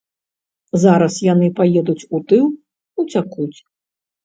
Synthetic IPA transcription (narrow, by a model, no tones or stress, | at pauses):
zaɾɐsjanɨpajɛd̪ut͡sʲut̪ɨw | ut͡sʲakut͡sʲ